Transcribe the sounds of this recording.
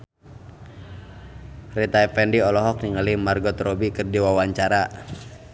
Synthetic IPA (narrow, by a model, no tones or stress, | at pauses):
rit̪aɛfɛndiɔlɔɦɔk̚niŋalimarɡɔt̪ɾɔbikɨrdiwawaɲt͡ʃaɾa